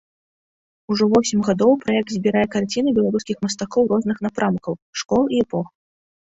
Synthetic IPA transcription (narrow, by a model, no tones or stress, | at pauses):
uʐɔvɔsʲimʲɣad̪ɔwpɾajɛk̚t̪ʲzʲbʲiɾajɛkart͡sʲin̪ɨbʲɛlˠaɾuskʲixmɐs̬t̪akɔwrɔznɨxn̪apɾʔamkɐwʂkɔlˠiɛpɔx